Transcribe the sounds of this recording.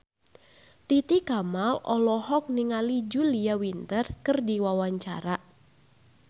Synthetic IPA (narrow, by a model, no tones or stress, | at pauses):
t̪it̪ikamalɔlɔhɔk̚niŋalid͡ʒuliawint̪ərkərdiwawaɲt͡ʃaɾaʔ